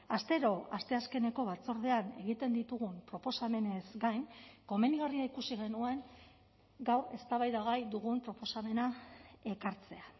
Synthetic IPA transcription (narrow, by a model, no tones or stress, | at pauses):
ast̪e̞ɾo̞ast̪e̞aske̞ne̞ko̞β̞at͡so̞ɾð̞e̞ane̞̰ɣ̞it̪e̞nd̪it̪uɣ̞umpɾo̞po̞same̞ne̞zɡajŋko̞me̞niɣariaikusiɣe̞nue̞ŋ | ɡawɾe̞st̪aβajðaɣajd̪uɣ̞umpɾo̞po̞same̞nae̞kaɾt͡se̞a